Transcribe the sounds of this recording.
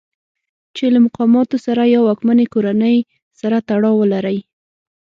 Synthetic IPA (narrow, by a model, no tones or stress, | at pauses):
t͡ʃelamʊqɑmɑt̪osaɾajawɑkmanekoɾanəj | saɾat̪aɽɑwəlaɾəj